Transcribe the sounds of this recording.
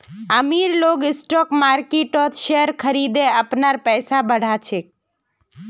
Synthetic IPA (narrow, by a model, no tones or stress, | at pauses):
əmiɾloɡɪsʈɔkmaɾkeʈot̪ʃeəɾkʰəɾid̪eəpnaɾpɛjsabəɽ̤at͡ʃʰe